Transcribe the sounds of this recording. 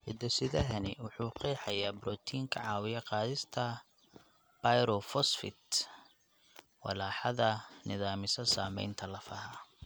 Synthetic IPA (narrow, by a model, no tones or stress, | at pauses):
hɪd̪ɔsɪðɐɦɐnɪwʊħuːqɛːħɑjaːbɾɔt̪ʰiːŋkʰɐʕɑːwɪjɐqɑːðɪst̪ʰɐ | b̥ajɾɔfɔsfɪ̰t̪ | wɑ̰laːħɑðɐnɪðaːmɪsɐsaːmɛ̰jnt̪ʰɐlɐfɐɦɐ